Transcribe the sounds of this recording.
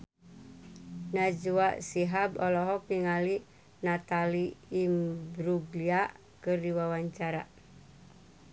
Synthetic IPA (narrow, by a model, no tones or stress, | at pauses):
nad͡ʒuaʔsiɦabɔlɔɦɔkiŋali | nat̪aliːmbɾuɡlia | kɨrdiwawaɲt͡ʃaɾa̰